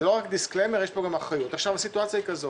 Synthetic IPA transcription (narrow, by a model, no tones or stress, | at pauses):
lo̞ʁakd̪isklejmeʁjeʃpoɡamaχʁajut̪aχʃavasituat͡sjahikazo